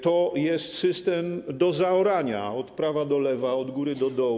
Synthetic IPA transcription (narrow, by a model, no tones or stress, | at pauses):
t̪ɔjɛst̪sɘst̪ɛmd̪ɔzaɔɾaɲa̰ɔt̪pɾavad̪ɔlɛvaɔd̪ɡuɾɘd̪ɔd̪ɔ